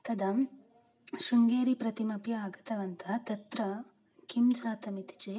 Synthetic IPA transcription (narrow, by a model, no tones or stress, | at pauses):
t̪ɐd̪ɐ | ʃuŋɡeːɾipɾɐt̪imɐpjɐːɡɐt̪ɐʋɐnt̪ʰɐt̪ɐt̪ɾɐ | kimd͡ʒaːt̪ɐmit̪i̥t͡ʃeː